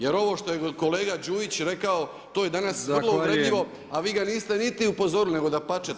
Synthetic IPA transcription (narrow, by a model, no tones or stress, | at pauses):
je̞ɾo̞ʋo̞ːʃt̪ojeko̞leːɡad͡ʒuːʋit͡ɕɾe̞kao̞ | t̪oːje̞d̪anasr̩lˠouɾed̪ʎiʋo̞ | aʋiːɡaniːst̪e̞nit̪iupo̞zo̞ɾune̞ɡo̞d̪apat͡ʃet̪